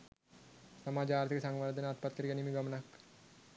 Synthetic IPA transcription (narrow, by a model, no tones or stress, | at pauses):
sɐmaːd͡ʒaːɾt̪ʰikəsaŋɡʋad̪ʱənat̪̚pat̪kɐɾiɡɛnimiɡɐmənɐk